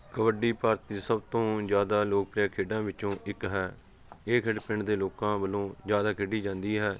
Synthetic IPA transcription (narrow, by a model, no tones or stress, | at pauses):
kəʋəɖiːpaːɾt̪ːiːsəbt̪õːd͡ʒjaːd̪aːloːk̚pɾjaːkʰeːɖãːʋɪt͡ʃõːʔɪkɦɛː | eːkʰɪɖpɪɳd̪eːloːkãːbəlõːzjaːd̪aːkʰɪɖiːd͡ʒãːnd̪iːɦɛː